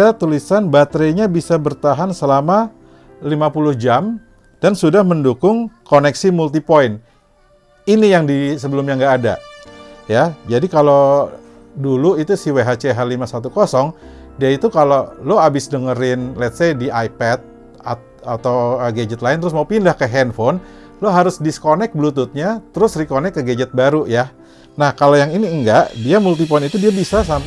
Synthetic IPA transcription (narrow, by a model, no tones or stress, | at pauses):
at̪ulisanbat̪ɾeɲabisabərt̪aɦansəlama | limapulʊhd͡ʒam | d̥ansudahməndukʊŋkonɛksimult̪ipoɪn | inijaŋdisəbəlʊmɲaŋɡaːda̰ | jad͡ʒadikalo | duluit̪usiweɦat͡ʃeɦalimasat̪ukosɔŋ | diait̪ukaloloabɪsdəŋəɾɪnlɛt̪̚sediʔajpɛt̪̚ | at̪̚ | at̪awəɡed͡ʒət̪laɪnt̪əɾʊs̬maupindahkəɦɛnfɔn | loɦaɾʊsdiskonɛk̚bəlut̪ʊt̪̚ɲat̪əɾʊsrikonɛkːəɡed͡ʒət̪̚baɾuja | nahkalojaŋiniəŋɡaʔdiamult̪ipɔnit̪udiabisas̬amp